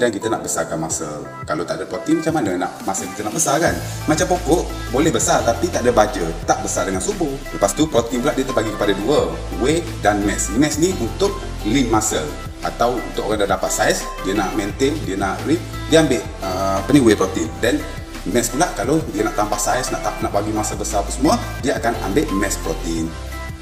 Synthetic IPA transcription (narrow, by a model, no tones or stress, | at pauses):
dankit̪əna̰ʔbəsarkanmasəl | kalot̪aʔdəpɾot̪inmat͡ʃamandəna̰ʔmasəlkit̪ənaʔbəsarkan | mat͡ʃampokɔʔ | bolɛhbəsart̪apit̪aʔdəbad͡ʒət̪aʔbəsardəŋansubʊhləpast̪upɾot̪ɪŋpulaʔdiət̪ərbaɡikə̥padaduə | we | danmɛsmɛsniut̪ʊk̚ | liʔmasəl | ʔa̰t̪awṵnt̪ʊkkadadapat̪̚sajs | diənaʔmɛnt̪ɪndiənaʔliʔ̚ | diəambɪʔ | əapəniwepɾot̪indɛn | mɛspulaʔkalodianaʔt̪ampahsajsnaʔt̪anaʔbaɡimasəlbəsarpəsəmua | diəakana̰mbɪʔmɛspɾot̪in